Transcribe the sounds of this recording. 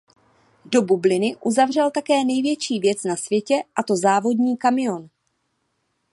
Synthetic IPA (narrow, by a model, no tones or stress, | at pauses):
do̞bublɪnɪʔuzavr̝ɛlt̪akɛːnɛjvjɛt͡ʃiːvjɛt͡snasvjɛcɛʔat̪o̞zaːvo̞dɲiːkamɪo̞n